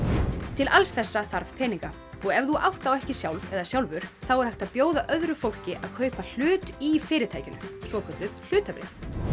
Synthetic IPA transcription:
t̪ʰɪlʔalsθɛsːaθaɾv̥pʰɛːniŋka | ɔɣɛvðuʔawht̪awɛhcɪsjawlvɛðasjawlvʏɾ̥θawɛɾ̥hajht̪aðpjoːwðaʔœðɾʏfowl̥cɪʔa̰ðkʰœːɥpal̥ʏːt̪ifɪːɾɪt̪ʰaːjcʏnʏ̰svɔkʰœt̪lʏðl̥ʏːt̪apɾɪ̰

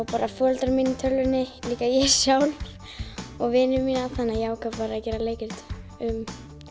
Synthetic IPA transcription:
awpaːɾafœlt̪aɾminːɪt̪ʰœlʏnːɪliːkajɛsjaːwlɾ | ɔɣvɪnʏmiːnaθanːajɛaːwkʰavvaɾacɛːɾaleːjcɪɾt̪ʏm

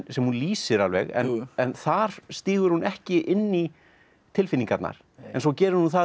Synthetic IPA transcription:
sɛmhunliːsɪɾalvɛ̰ɣɛ̰nɛnθaɾ̥st̪iːɣʏɾ̥hunʔɛhcɪʔɪnːi | t̪ʰɪlfɪnːiŋkat̪na̰ɾ̥ | ɛnsɔwcɛːɾʏɾ̥hunθa

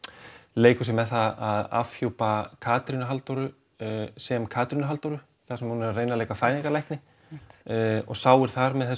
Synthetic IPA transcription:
leːjkʏsjɛmɛðθaðaða̰fçjowpakʰaːt̪ɾinʏɦalt̪ɔɾʏ | sɛmkʰaːt̪ɾinʏɦalt̪ɔwɾʏ | θasɛmhunɛɾreːjnaleːjkafɾaːjniŋkalajhk̪nɪ | ɔ̰ɣsaːwɪɾ̥θaɾmɛðθɛ

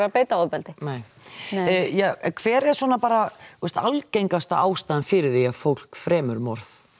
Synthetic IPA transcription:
ɾapeːjt̪aɔpɛlt̪ɪneːj | jɛkʰv̥ɛːɾɛ̥swɔːnapaːɾaust̪alcejŋkast̪aaːwst̪aːðɪnfɪɾɪðejafowl̥kfɾɛːmʏɾmɔɾθ

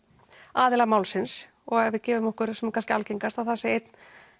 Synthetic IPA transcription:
aːðɪlamaːwlsɪns | ɔɣɛɾvɪðcɛːvʏmɔhkʏɾsɛmkʰanscɪalcejŋkast̪aθasɪejt̪n

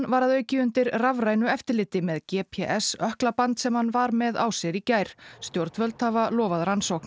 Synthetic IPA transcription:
vaɾaðœːɥcɪʏnt̪ɪɾravɾaːjnʏɛft̪ɪɾlɪːt̪ɪmɛðcɛːpʰɛʔɛsœhklapant̪sɛmhanvaɾmɛða̰wsɪɾicaːjɾ̥st̪jowɾt̪vœlt̪havalɔːvaðɾansowkn̥

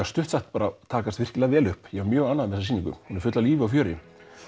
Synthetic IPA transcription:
ast̪ʏht̪saht̪paːɾat̪ʰaːkast̪vɪr̥cɪlɛɣavɛːlʏhpjɛvaɾmjœːɣanːaðmɛɛsasiːniŋkʏ̰mhunɪɾ̥fʏt̪laliːvɪawfjœːɾɪ̰

